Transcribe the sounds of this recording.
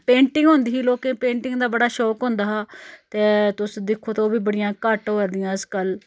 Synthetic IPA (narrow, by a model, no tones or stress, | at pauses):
pẽːɳʈɪ̃ŋɡɦoʊ̃nd̪iːɦiːloːkẽːpẽːɳʈɪŋɡd̪aːbəɽaːʃɔːkɦõːnd̪aːɦaːt̪eːt̪ʊsd̪ɪkʰːoːt̪oːbiːbəɽɪjãːkəʈɦoːɾd̪ɪjãːəzkəl